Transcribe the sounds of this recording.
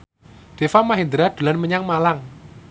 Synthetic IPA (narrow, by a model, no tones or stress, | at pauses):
ɖ̪̥e̤famaɦind̪əɾad̪̥ṳlanməɲaŋmalaŋ